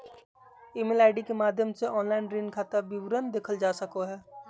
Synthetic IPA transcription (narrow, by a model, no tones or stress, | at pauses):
ɪːmɪlaːɪɖikemaːd̪ʱjəmseʔɔːnlaːɪnɾiːnkʰaːt̪abɪʋɾənd̪eːkʰəld͡ʒaːsɐkoɦɛː